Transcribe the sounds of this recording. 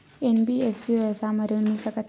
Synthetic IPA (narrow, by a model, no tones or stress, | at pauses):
enbiefsiʋjəʋsaməɾunːisəkət̪ʰ